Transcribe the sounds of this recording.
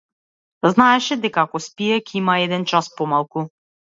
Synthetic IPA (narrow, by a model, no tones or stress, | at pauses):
znaɛʃɛd̪ɛkakɔspijɛkʲimaɛd̪ɛnt͡ʃaspomalˠku